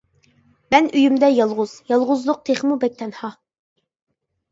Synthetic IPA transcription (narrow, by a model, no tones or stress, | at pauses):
mɛnyjymd̪ɛjɑlˠʁʊz̥jɑlˠʁʊzlˠʊq̚t̪ʰeχmubɛk̚ʲt̪ʰɛnhɑ